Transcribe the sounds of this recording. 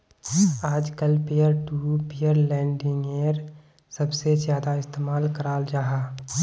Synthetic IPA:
aːd͡ʒkəlpejəɾʈupejəɾlɛ̃ːɳɖɪ̃ŋɡeɾ | səbsezjaːd̪aɪst̪eːmaːlkəɾaːld͡ʒaːɦaː

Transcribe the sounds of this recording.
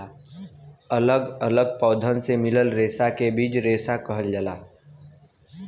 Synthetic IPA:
ələɡələɡ̚pɔːd̪ʱənsemɪləlɾeːsakebiːt͡ʃɾeːsakəɦəld͡ʒəlaː

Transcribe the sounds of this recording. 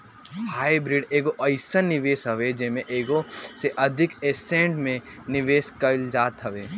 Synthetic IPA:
haːibɾiɖeːɡoʔɐɪsənɪʋeːsɦɐʋed͡ʒɐɦmẽʔeːɡoseʔɐd̪ʱɪkeːsẽːɳɖmẽ | nɪʋeːskɐld͡ʒaːt̪ɦɐʋeː

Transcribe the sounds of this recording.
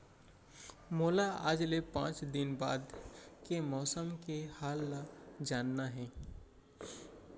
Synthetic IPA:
moːlaaːd͡ʒlepã̰ːt͡ʃd̪ɪnba̰ːd̪kemɔːsəmkehaːlːad͡ʒaːnːaɦɛ̃ː

